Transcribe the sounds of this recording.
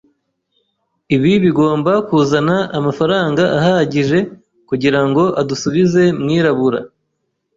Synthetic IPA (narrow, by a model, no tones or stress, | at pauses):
iβiβiɡo̞ːmbakuːzanaːmafaɾaːŋɡaʔahaɟiʒe̞ | kuɟiɾaŋɡo̞ʔadusuβize̞mŋiːɾaβuɾa̰